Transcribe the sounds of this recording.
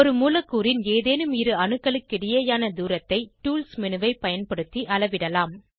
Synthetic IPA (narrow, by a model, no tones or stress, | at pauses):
ɔɾɯmuːlɐkːuːɾɪneːðeːnɯmɪɾɯɐnɯkːɐɭɯkːɪɽɪjɐːjaːnɐd̪uːɾɐt̪ːɐɪʈuːlsmɪnɯʋɐɪpɐjɐnpɐɽɯt̪ːiʔɐlɐʋɪɽɐlaːm